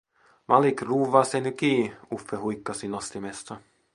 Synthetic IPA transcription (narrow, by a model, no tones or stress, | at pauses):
mɑlikruːʋɑsenykiːufːeɦujkːɑsinost̪imest̪ɑ